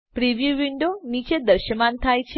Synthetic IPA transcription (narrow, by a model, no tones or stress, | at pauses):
pɾiʋjuʋiɳɖonit͡ʃed̪əɾʃəmant̪ʰajt͡ʃʰ